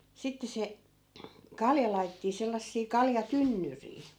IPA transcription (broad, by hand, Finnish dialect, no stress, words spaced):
sitːe se kɑljɑ lɑi̯tetːiː selːɑsːiː kɑljɑtynːyriː